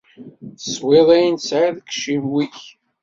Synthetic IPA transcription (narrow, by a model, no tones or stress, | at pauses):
θə̥sˤweðˤæjinsʕaðkʃimwiç